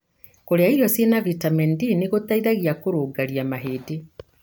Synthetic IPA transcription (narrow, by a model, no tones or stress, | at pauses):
koɾeaiɾjɔsenavitamɛndineɣot̪aiðaɣiakoɾoːɡaɾiamaɦede